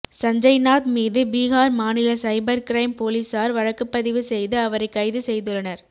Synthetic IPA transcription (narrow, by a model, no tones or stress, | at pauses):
sɐɲd͡ʒɐɪnaːt̪miːðɯbiːɣaːɾmaːnɪlɐsɐɪbɐɾkɪɾɐɪmpoːlisaːɾʋɐɻɐkːɯpːɐðɪʋɯsɛjðɯɐʋɐɾɐɪkːɐɪðɯsɛjðɯɭːɐnɐɾ